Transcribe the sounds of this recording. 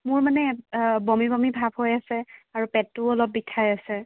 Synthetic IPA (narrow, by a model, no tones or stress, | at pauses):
mʊɹmanɛbɔmibɔmibʱabʱɦojasɛaɹupɛtːʊɔlɔp̚ːitʰajasɛ